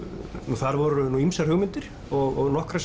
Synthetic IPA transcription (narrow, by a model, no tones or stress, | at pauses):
nuθaɾvɔɾʏnuimsḁhʏɣmɪnt̪ɪɾ̥ | ɔɣɔɣnɔhkɾas